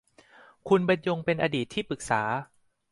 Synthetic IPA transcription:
kʰu˧nba˧njo˧ŋpe˧nʔa˧diː˨˩t̪ʰːiː˥˩pɯ˨˩k̚saː˩˦

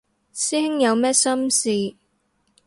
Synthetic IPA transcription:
siː˥hɪ˥ŋjɐ˨˧wmɛː˥sɐ˥msiː˨˧

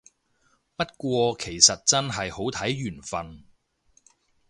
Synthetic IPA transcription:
pɐ˥t̚kʷɔː˧kʰe˨˩jsɐ˨t̚t͡sɐ˥nɦɐ˨jho˨˥wt̪ʰɐ˨˥jɥyː˨˩nfɐ˨n

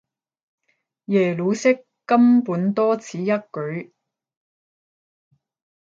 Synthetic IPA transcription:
jɛː˨˩lu˨˧˥sɪ˥kːɐ˥mpuː˨˥nt̪ɔː˥t͡sʰiː˨˥jɐ˥t̚kɵ˨˥ɥ

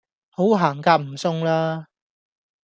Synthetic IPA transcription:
ho˨˥wɦaː˨˩ŋkaː˧m̩˨˩sʊ˥ŋlaː˥

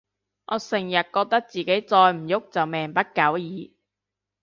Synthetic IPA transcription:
ʔɔː˨˧sɪ˨˩ŋjɐ˨t̚kɔː˧k̚t̪ɐ˥k̚t͡siː˨ke˨˥jt͡sɔː˧jm̩˨˩jʊ˥k̚t͡sɐ˨wmɛː˨˩ŋpɐ˥t̚kɐ˨˥wjiː˨˧

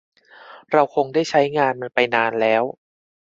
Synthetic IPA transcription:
ɾa˧wkʰo˧ŋdaː˥˩jt͡ɕʰa˦˥jŋaː˧nma˧npa˧jnaː˧nlɛː˦˥w

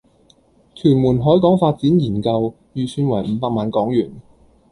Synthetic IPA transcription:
t̪ʰyː˨˩nmuː˨˩nɦɔː˨˥jkɔː˨˥ŋfaː˧t̚t͡siː˨˥njiː˨˩nkɐ˧w | jyː˨˧syː˧nwɐ˨˩jm̩˨˧˦paː˧k̚maː˧nkɔː˨˥ŋjyː˨˩n

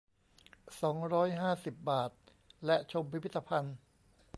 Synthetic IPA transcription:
sɔː˩˦ŋɾɔː˦˥jɦaː˥˩si˨˩p̚baː˨˩t̪̚ | lɛ˦˥ʔt͡ɕʰo˧mpʰi˦˥pʰi˦˥t̪ːa˧pʰa˧n

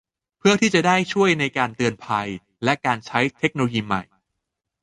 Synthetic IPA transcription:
pʰɯ˥˩ɐt̪ʰiː˥˩t͡ɕa˨˩daː˥˩jt͡ɕʰu˥˩əjna˧jkaː˧nt̪ɯ˧ənpʰa˧j | lɛ˦˥kaː˧nt͡ɕʰa˦˥jt̪ʰe˦˥k̚noː˧o˧jiː˧ma̰˨˩j

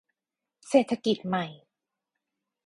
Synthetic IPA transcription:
seː˨˩t̪ʰːa˧ki˨˩t̪̚ma˨˩j

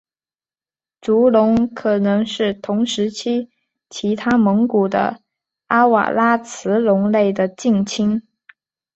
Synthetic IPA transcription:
ʈ͡ʂu˧˥lʊ˧˥ŋkʰɤ˨˩nɤ˧˥ŋʂɻ̩˥˩t̪ʰʊ˧˥ŋʂɻ̩˧˥t͡ɕʰi˥ | t͡ɕʰi˧˥t̪ʰa˥mɤ˧˥ŋku˨˩d̪ə̰˦ | a˥wa̰˨˩la˥t͡sʰɹ̩˧˥lʊ˧˥ŋle˥˩ɪd̪ə˩t͡ɕi˥˩ŋt͡ɕʰi˥ŋ

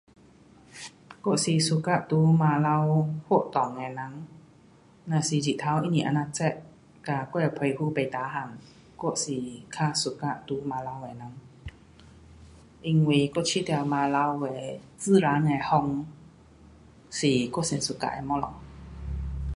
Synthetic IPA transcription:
ko˧˥˨ʔsi˧˨su˧˨ka˧˨t̪u˧˦maː˧la˧who˧˥˨ʔt̪ɔ˨ŋɛ˨na˧˦ŋ | na˧˨si˧˨d͡ʒi˧˨t̪ʰa˧wʔi˧ni˧˨ʔa˧na˧t͡sɛ˧ʔ | ka˧kɔ˧˨a˧˩pʰɔ˧˨jhuː˧˨pa˨jt̪aː˨˦ɦa˧˨ŋ | ko˧˥˨si˨kʰa˧˨su˧˨ka˧˨ʔt̪u˧˦ma˧la˧wɛ˨na˧˦ŋ | ʔi˧˨ŋweː˧˨ko˧˨t͡ɕʰi˧˥˨t̪ɛ˧maː˧la˧wwɛ˧˨ | t͡sɨː˧˨ɾaː˧˦nŋa˧˨hɔ˧˨ŋ | siː˨ko˧˥˨se˨nsu˧˨ka̰˧˨ʔɛ̰˧˨mɔ˧lɔ̰˨ŋ

